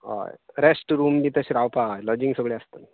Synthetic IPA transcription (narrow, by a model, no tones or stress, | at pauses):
ɦo̰jɾesʈɾuːmd̪it̪əɕɾawpajlɔd͡ʑiŋɡsəɡɭeast̪ən